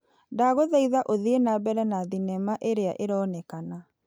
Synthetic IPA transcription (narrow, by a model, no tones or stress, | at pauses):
ndaɣoðaiðaʔoðienabɛɾɛnaðinɛmaʔeɾea̰ʔeɾɔnɛkana